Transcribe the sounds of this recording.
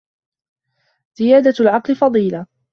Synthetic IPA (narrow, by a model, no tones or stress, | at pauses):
z̥ɪjaːd̪alʕɑqlɪfɑðˤiːla